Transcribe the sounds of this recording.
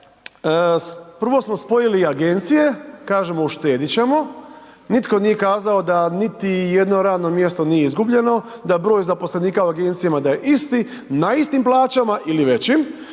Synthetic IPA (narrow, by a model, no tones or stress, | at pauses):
əpr̩ʋo̞smo̞spo̞jiliaɡe̞nt̪sije̞kaːʒe̞mouʃt̪e̞ːd̪it͡ɕe̞mo̞ | nit̪ko̞nije̞kaːzao̞d̪anit̪ijed̪no̞ɾaːd̪no̞mje̞st̪onijeizɡubʎe̞no̞d̪abɾo̞ːjzapo̞sle̞niːkaoaɡe̞nt̪sijamad̪ajeʔist̪i | naist̪implˠaːt͡ɕamaʔiliʋe̞t͡ɕim